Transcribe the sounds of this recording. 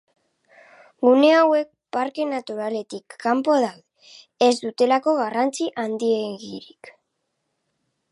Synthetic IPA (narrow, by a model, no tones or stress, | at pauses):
ɡune̞awe̞k̚paɾke̞nat̪uɾale̞t̪ikːampo̞ð̞awðeː | zd̪ut̪e̞lako̞ɣarant͡siʔand̪ie̞ɣḭɾik